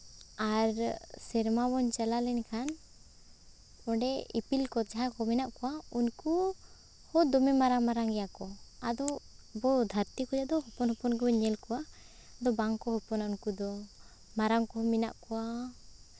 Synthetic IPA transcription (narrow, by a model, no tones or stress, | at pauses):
aɾsɛɾmabɔnt͡ʃɛlalɛnkʰan | ɔɖɛḭpilkɔd͡ʒaɦakɔmɛnaʔkɔwaunku | hɔd̪ɔmɛmaɾaŋmaɾaŋɡɛjakɔad̪ɔbɔd̪ʱaɾt̪ikɔd͡ʒad̪ɔɦɔpɔnhɔpɔnɡɛbɔɲɛlkɔwa | ad̪ɔbaŋkɔɦɔpɔnaunkud̪ɔ | maɾaŋkɔɦɔmɛna̰ʔkɔwa